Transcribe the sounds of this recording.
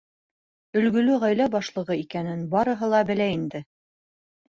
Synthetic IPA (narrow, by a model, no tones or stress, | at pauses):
ɵ̆lɡɵ̆lɵʁæjlæbɑʃlˠɤ̆ʁɤikænɘnbɑɾɤ̆ɦɤlˠɑbɘ̆læind̪ɘ